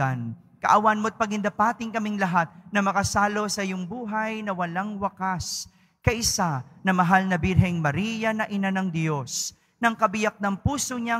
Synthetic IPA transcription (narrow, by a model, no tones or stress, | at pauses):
an | kɐ̰ʔɐwanmoɐt̪̚pɐɡɪnd̪ɐpaːt̪ɪŋkɐmɪŋlɐɦat̪̚nɐmɐkɐsaːlo̞sɐjʊŋbuːɦɐjnɐwɐlaŋwɐkas | kɐʔɪsanɐmɐɦalnɐbiɾɦɛjŋmɐɾiːjɐnɐʔɪnanɐŋd̪jo̞s | nɐŋkɐbɪjak̚nɐŋpuːsoɲa